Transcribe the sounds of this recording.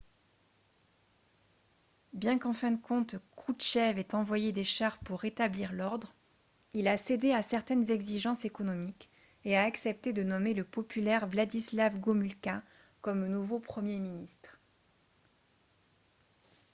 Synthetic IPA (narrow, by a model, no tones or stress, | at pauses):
bjɛ̃kɑ̃fɛ̃d̪əkɔ̃t̪kuʃɛvɛt̪ɑ̃vwajed̪eʃaʁpuʁːet̪abliʁlɔʁd̪ʁ | ilased̪easɛʁt̪ɛnzɛɡziʒɑ̃sekɔnɔmik | eaːksɛp̚t̪ed̪ənɔmeləpɔpylɛʁvlad̪islavɡomylka | kɔmnuvopχəmjeminist̪χ